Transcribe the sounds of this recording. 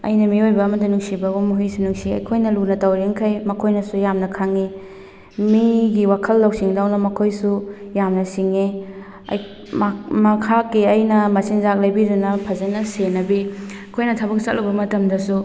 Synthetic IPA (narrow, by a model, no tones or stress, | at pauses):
ɐ̰jnɐmiojbɐːmɐtɐnuŋsibɐɡomuɦisunuŋsiɐ̰jkʰojnɐlunɐtɐwɾiŋkʰɐjmɐkʰojnɐsujamnɐkʰaŋi | miɡiwakʰɐlːɐwsiŋdawnɐmɐkʰojsujamnɐsiŋi | ɐ̰j | mmɐkʰakːiɐjnɐmɐsinzak̚lɐjbidunɐpʰɐzɐnɐsenɐbiɐkʰojnɐtʰɐbɐk̚sɐt̚lɐbɐmɐtɐmdɐsu